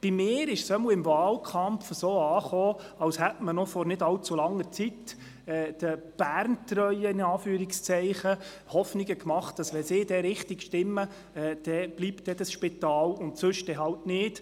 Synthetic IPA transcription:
b̥imɪːɾɪʃsœməwɪmvɑːlkʰɑmfəsoːɑːχoː | ɑwshɛtmənɔfɔɾnɪdɑlt͡sulɑŋːəɾt͡sit | ɛːd̪̥əb̥æːɾntrœʏəɪnɑːfyːɾɪkst͡sɛɪχə | hɔfnɪɡəkmɑχt̚d̥ɑsʋɛnsɪːdɛɾɪχtɪɡʃtɪmːə | ɛːd̥ɛb̥liːptd̥ɛd̥ɑsʃpɪt̪ɑːlʊntsɵʃd̥ɛɦɑltnɪːt

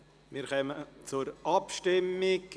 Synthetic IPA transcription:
mɪɾχœmət͡sʊɾʔɑpʃtɪmːɪɡ

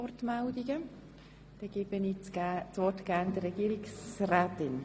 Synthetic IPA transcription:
ɔrtmældiɡə | d̥ɛɡ̥ɪb̥ənit͡st͡sʋɔtɡ̥æːnd̥ərɛɡ̥iːɾiksraːtɪn

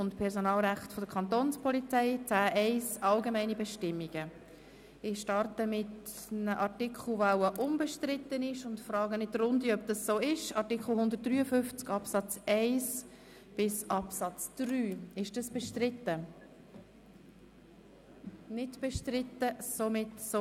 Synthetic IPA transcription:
ʊntpʰɛɾsonɑːlʁæχtfɔd̥əkʰɑnt̪oːnspʰɔlit͡sɛɪt͡sæːʔɛɪsɑlɡemɛɪnibɛʃtɪmːiɡ̥ə | ɪʃtɑɾtəmɪt | nəʔɑɾtɪkʰχl̩ˠvawəʔʊmbɛʃtɾɪt̪ːənɪʃʊntfrɑːɡənɪt̚dɾʊndiœb̚d̥ɑssoːɪʃɑɾtɪkχl̩hʊnd̪ərt̚d̥ɾyːəfʏft͡skɑpsɑt͡sɛɪs | b̥ɪsʔɑpsɑt͡sd̪̥ryːɪʃd̥ɑsb̥ɛʃtɾɪtə | nɪdb̥ɛʃtɾɪtːəsomɪtso

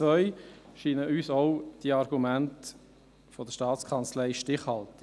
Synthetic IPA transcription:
t͡sʋœʏʃiːnəʔyːsɔʊd̥iəɑɾɡumænt | fɔd̥̪əʃtɑːt͡skʰɑnt͡slɛɪʃtɪχhɑlt̪ə

